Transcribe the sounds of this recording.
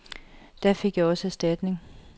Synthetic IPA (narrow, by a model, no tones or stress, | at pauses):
d̥æfe̝ɡ̥jɑ̈ɒ̽səæsd̥æd̥ne̝ŋ